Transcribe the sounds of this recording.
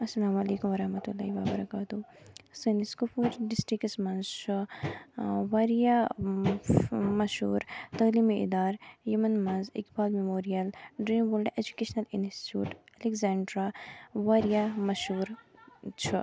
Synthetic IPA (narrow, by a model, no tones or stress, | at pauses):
ɐsːɐlaːmɐleːkumʋɐɾɐhmɐt̪ulːaːɦiʋabɐɾɐkaːt̪usɐniskufuːɾɖisʈɾiksmɐnzt͡ʃu | ʋaɾija | mɐʃɦṵːɾt̪ɐliːmiḭd̪aːɾjɐmɐnmɐnzḭkbaːlmemoːɾijɐlɖɾiːnboːlɖed͡ʒukeːʃnɐlinsʈi̥tjṵːʈɐlekzaːɳɖɾaʋaːɾijamɐʃhuːɾt͡ʃʰu